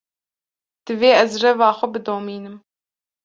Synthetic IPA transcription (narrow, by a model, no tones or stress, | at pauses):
d̪̥ɨveːɛzrɛvɑːxʷɛbɨd̪oːmiːnɨm